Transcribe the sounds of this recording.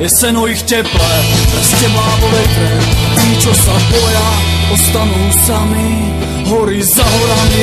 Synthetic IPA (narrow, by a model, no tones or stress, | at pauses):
jɛsɛnojixtʲɛplɛɾɛstɛblaːvovɛkɾɛiːt͡ʃosabojaost̪anuːsami | ɦoɾizaɦoɾani